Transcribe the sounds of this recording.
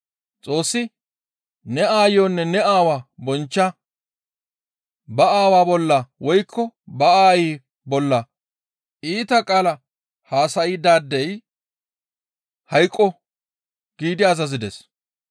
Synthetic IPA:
t͡sʼo̞ːsːɪ | nɛaːjoːnːɛnɛaːwaːbɔnt͡ʃːɐ | bɐaːwaːbɔlːɐwɔjkʰːɔbɐaːjiː | bɔlːɐ | iːt̪ɐkʼaːlɐ | haːsɐɪd̪aːd̪ːɛj | hɐjkʼːɔ | ɡ̥iːd̪ɪɐzɐzɪd̪ɛ̰s

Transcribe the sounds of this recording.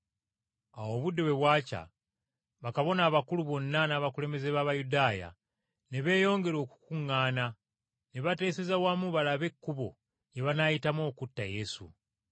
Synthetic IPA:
awo̞ːβudo̞βe̞βwaːca̰ | βakaβo̞naːβakuluβo̞nːanaːβakule̞me̞ze̞βaβajudaːja̰ | ne̞βe̞ːjo̞ːŋɡe̞ɾo̞ːku̥kuŋːaːna | neβate̞ːsezawaːmuβalaβe̞kːuβo̞̰ | jeβanaːjitamo̞ːkutːa̰je̞sṵ

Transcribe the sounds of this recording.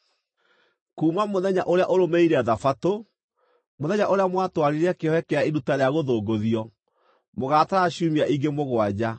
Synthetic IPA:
kuːmamoðɛɲaʔoɾeaʔoɾomeiɾeaðafato | moðɛɲaʔoɾeamwatwaɾiɾɛkeɔɛkeaeɾutaɾeaɣoðoːɡoðiɔ | moɣaːtaɾaɕumiaʔiŋɡemoɣwad͡ʑa

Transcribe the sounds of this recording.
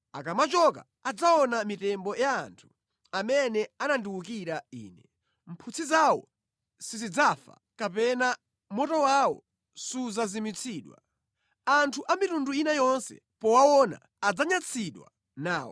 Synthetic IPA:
akamat͡ʃɔka̰ | ad͡zaɔnamitɛmbɔjaːntʰu̥ | amɛnɛanandiwuk̬iɾaḭːnɛ | m̩pʰut͡sʰizawɔ̰ | sizid͡zafa̰ | kapɛna | mɔtɔwawɔ̰ | suzazimit͡sʰiːɗwa̰ | antʰuʔamitunduinajɔnsɛ̰ | pɔwawɔna̰ːd͡zaɲat͡sʰiɗwa̰ | naːwɔ̰

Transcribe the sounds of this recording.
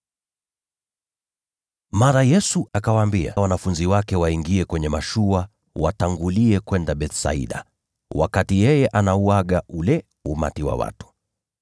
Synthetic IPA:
maɾajɛsuʔakawaːmbia̰wanafunziwakɛwaiŋɡiɛkwɛɲɛmaʃua | wataŋɡuliɛkwɛndaɓɛtsa̰ḭɗa̰ | wa̰katijɛjɛʔanauaɠaʔulɛ | uma̰tiwa̰wa̰tu̥

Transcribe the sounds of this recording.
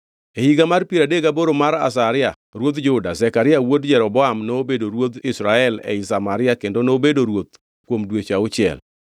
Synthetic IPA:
ehiɡamarpiɾadeɡaboɾomaɾa̰s̬aɾɪja | ɾwot̪d͡ʒʊdazɛkaɾɪawodd͡ʒɛɾɔbɔamnoobedoɾwot̪ɪsɾaɛlɛ̰ɪsamaɾɪakendonobedoɾwot̪̚ | kwomdwet͡ʃaʊt͡ʃɪɛ̰l

